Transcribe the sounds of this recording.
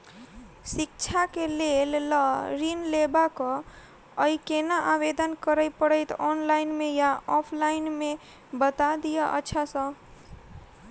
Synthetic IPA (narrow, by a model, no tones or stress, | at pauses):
sik̚t͡ʃʰakelelɾinlebakɔ̃ | əikenaʔabed̪ənkəɾəjpəɾəjt̪ɔnlaɪnmejaɔpʰlainme | bət̪ad̪ijəʔə̰ːt͡ʃʰasə̃